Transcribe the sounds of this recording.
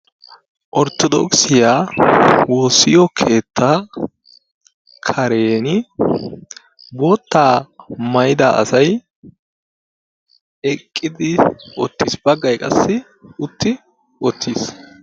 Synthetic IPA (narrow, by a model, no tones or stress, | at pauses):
ʔɔɾt̪ɔd̪ɔ̰ksɪjaːwoːsːɪjɔkʰe̞ːt̪ʰːa | kʰɐɾe̞ːnɪ | boːt̪ːaːmɐjɪd̪a̰ːʔɐ̰sɐj | ɛkʼːɪd̪ɪwɔ̰t̪ːiːsb̥ɐɡːɐjkʼɐsːɪ | ʊt̪ːɪ | wɔt̪ːiːs